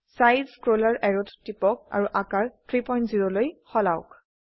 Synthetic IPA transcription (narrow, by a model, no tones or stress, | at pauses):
sajdzkɹolaɹʔɛɹʊttipɔk̚a̰ɹuʔakaɹtʰɹipɔjntziɹɔlojxɔla̰ʊk